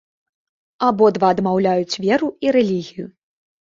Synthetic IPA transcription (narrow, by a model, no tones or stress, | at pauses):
abɔd̪vaːd̪mawlʲajut͡sʲvʲɛɾuiɾɛlʲiɣʲiju